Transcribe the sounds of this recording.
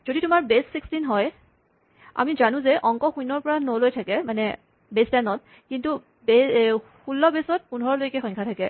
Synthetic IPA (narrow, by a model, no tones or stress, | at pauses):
z̥oditʊmaɹbesːikstinɦɔj | a̰mizanʊ̃zɛʔɔŋkɔxujnɔɹpɔɹanolojtʰakɛmanɛ | bestɛnɔt̚ | kintu | bexulːɔbesɔt̚punɔɹɔɹlojkɛxɔ̃ŋkʰatʰakɛ